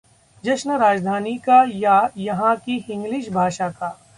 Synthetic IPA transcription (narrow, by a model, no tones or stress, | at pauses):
d͡ʒɐʃnəɾaːd͡ʒd̪ʱaːnikajajɐɦãkiɪ̃ŋɡliʃbʱaːʃakaː